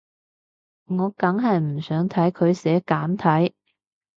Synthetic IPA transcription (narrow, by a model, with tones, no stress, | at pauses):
ŋɔː˨˧kɐ˨˧˥ŋɦɐ˨jm̩˨˩sœː˨˥ŋt̪ʰɐ˨˥jkʰɵ˨˧ɥsɛː˨˥kaː˨˥mt̪ʰɐ˨˥j